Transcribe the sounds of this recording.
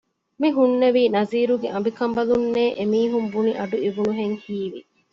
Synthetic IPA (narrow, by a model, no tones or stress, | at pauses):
miɦunːeʋiːnɐziːɾuɡeʔɐmbikɐmbɐlunːeːʔemiːɦumbuniʔɐɖuiʋunuɦeŋhiːʋḭ